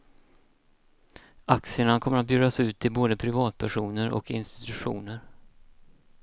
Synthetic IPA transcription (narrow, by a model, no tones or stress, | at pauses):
aksɪəɳakʰɔmːəɾat̪̚bjʉːd̪asʉ̟ːt̪ʰːɪlboːd̪əpʰɾɪvɑːt̪̚pʰæʂuːnəɾʔɔ̰kɪnst̪ɪ̥t̪ɵɧṵːnəɾ